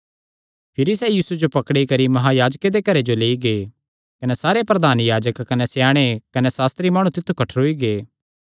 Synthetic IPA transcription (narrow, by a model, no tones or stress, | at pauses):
pʰɪɾisɛjiːsud͡ʒopɐkɽikɐɾimɐɦajaːd͡ʒked̪ekɐɾed͡ʒoleːiɡeː | kɐnesaːɾepɾɐd̪aːnjaːd͡ʒəkːɐnesjaːɽ̃ekɐnesaːst̪ɾimaːɽ̃ũt̪ɪt̪ʰːukɐʈʰɾoiɡeː